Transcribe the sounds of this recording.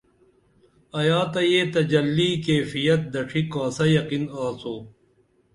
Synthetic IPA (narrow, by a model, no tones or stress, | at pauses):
ɐjaːt̪ɐjeːt̪ɐd͡ʑɐlːiːkeːfijɐt̪̚d̪ɐʈʰikaːsɐjɐqinaːsoː